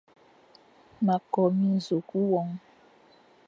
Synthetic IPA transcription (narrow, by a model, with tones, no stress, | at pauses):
ma˨kɔ˨mĩ˦zo˨ku˦wɔ˦ŋ